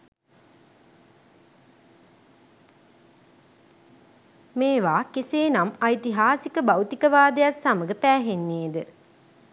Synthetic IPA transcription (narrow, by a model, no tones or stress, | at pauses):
meːʋaːkeseːnamɐjt̪iɦaːsikəbɐwt̪ikəʋaːd̪əjassaməɡəpæːɦenːeːd̪ə